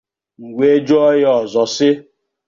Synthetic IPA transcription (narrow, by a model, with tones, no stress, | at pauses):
ŋ̩˨ɡʷe˨˦d͡ʒo˦ɔ˦jɔ˨zɔ˨sɪ˦